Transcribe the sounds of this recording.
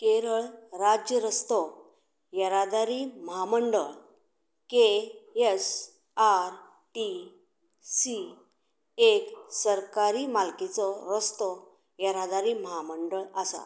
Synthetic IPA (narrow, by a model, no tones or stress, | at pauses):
keɾəɭɾad͡ʑjəɾəst̪ɔ | jəɾad̪aɾiməɦaməɳɖəɭ | kees | aɾ | ʈi | si | eksəɾkaɾiːmalkit͡sɔɾəst̪ɔ | jəɾad̪aɾiːməɦaməɳɖəɭasa̰